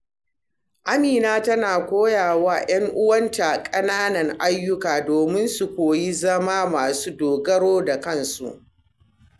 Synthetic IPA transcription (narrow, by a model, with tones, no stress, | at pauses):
ʔa˦miː˨naː˦tɐ˦naː˨kʷoː˦jaː˨waː˦j̰ɐ˦ŋʔʊ˦wɐ˦nta˨kʼɐ˦naː˦nɐ˨ŋʔa˦jːʊ˦kaː˨doː˨mɪ˦nsu˨kʷoː˨ji˦zɐ˦maː˦maː˨suː˦doː˨ɡɐ˦ɽoː˦da˨kɐ˦nsṵ˨ʔ